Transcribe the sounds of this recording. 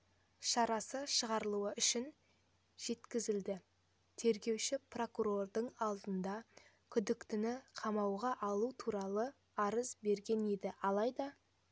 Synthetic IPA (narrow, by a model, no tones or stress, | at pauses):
ʃɑɾɑsəʃəʁɑɾəlˠuəʔʏʃɪn | ʒ̥e̞t̪kʲɪzɪld̪ɪ | t̪ʰe̞ɾɡʲe̞wʃɪpro̞kuɾo̞rd̪əɴɑlˠd̪ənd̪ɑ | kʲʰʏd̪ɪkt̪ɪnɪqʰɑmɑwʁɑʔɑlˠut̪ʰuɾɑlˠə | ɑɾəzbe̞ɾɡʲe̞ne̞d̪ɪɑlˠɑjd̪ɑ